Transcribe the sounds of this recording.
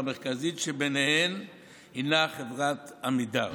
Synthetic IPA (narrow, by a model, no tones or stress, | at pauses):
meʁkazitʃebenehem | hinaχevʁat̪amida